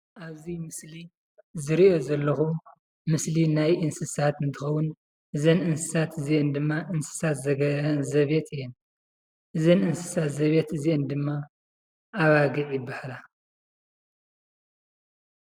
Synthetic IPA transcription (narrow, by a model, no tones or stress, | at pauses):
ʔaβzimɨsli | zɨɾiʔo̞zɐlːɐxu | mɨslinajʔɨnsɨsat̪ɨnt̪ʰɨxɐwun | ʔɨzɐnʔɨnsɨ̥sat̪ʰɨziʔɛnd̪ɨmːaʔɨnsɨ̥sat̪zɐɡɐzɐβe̞t̪ɨjːɛn | ʔɨzɐnɨnsɨ̥sat̪zɐβet̪ɨziʔɛnd̪ɨmːa | ʔːβaɡɨʕjibaħla